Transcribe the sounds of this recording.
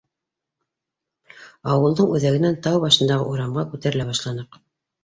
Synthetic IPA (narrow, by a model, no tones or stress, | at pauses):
ɑwɤ̆lˠd̪ɤɴʉðæɡɘ̆nænt̪ɑwβɑʃɤ̆nd̪ɑʁɤ̰ʔuɾɑmʁɑkʉt̪æɾɘ̆læβɑʃlˠɑnɤq